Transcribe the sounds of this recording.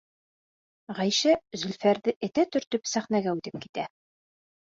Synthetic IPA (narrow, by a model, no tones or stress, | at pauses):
ʁæjʃæzɵ̆lfæɾðɘʔɘ̆t̪æt̪ɵ̆ɾt̪ɵpsæχnæɡæʉt̪ɘp̚ki̥t̪æ